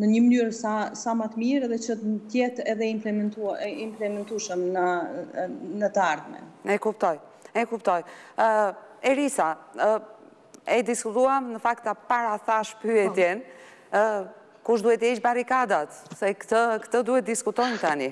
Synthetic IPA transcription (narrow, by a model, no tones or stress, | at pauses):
nəɲəməlyɾsasamat̪əmiɾɛðɛt͡ʃət̪nt̪jɛt̪ɛðɛimplɛmɛt̪uimplɛmɛnt̪uʃəmnə | nət̪əaɾðmɛ̰ɛkupt̪ɔj | ɛkupt̪ɔj | ɛɾisa | ɛd̪iskut̪uamnəfakt̪apaɾaθaʃpyɛt̪jɛn | kuʃd̪uɛt̪əit͡ʃbaɾikad̪at̪sɛkt̪əkə̥t̪əd̪uhɛt̪̚d̪iskut̪ɔjmt̪ani